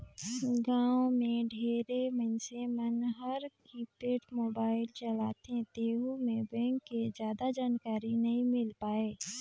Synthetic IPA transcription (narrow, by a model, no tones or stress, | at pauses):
ɡãːwmẽɖʱeːɾemənsemənɦəɾkipeːʈmoːbaːɪlt͡ʃəlaːt̪et̪eːɦumẽbɛ̃ːŋkːezjaːd̪ad͡ʒaːnkaːɾinɐɦĩmɪlpaːeː